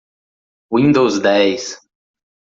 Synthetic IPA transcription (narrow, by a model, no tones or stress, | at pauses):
wĩnd̪owzd̪ɛjs